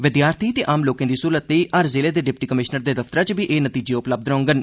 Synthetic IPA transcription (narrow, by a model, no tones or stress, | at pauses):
ʋɪd̪jaːɾt̪ʰiːt̪eːʔaːmloːkẽːd̪iːsuːɾət̪liːʔəɾzeːleːd̪eːɖɪp̚ʈiːkəmɪʃnəɾd̪eːd̪əft̪əɾãːt͡ʃbiːʔeːnət̪iːd͡ʒeːʊpləb̚d̪ɾõːŋɡən